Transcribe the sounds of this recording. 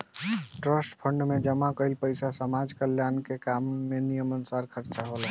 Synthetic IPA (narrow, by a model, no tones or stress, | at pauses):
ʈɾəsʈpʰəɳɖmed͡ʒəmakəilpəjsasəmad͡ʒkəljankekamːenijəmənsaɾkʰəɾt͡ʃaɦolə